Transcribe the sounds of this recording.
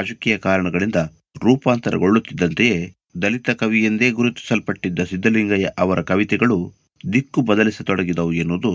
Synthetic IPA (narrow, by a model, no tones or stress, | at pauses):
aːd͡ʒɐkijɐkaːɾɐɳɐɡɐɭind̪ɐ | ɾuːpaːnt̪ɐɾɐ̰ɡo̞ɭːut̪ːid̪ːɐnt̪eje̞ː | d̪ɐlit̪ɐkɐʋijɐnd̪e̞ːɡuɾut̪ːi̥sɐlpɐʈːid̪ːɐsid̪ːɐliŋɡɐjɐʔɐʋɐɾɐkɐʋit̪ɛɡɐɭu | d̪ikːubɐd̪ɐlisɐt̪ɔɽɐɡid̪ɐʋuenːud̪u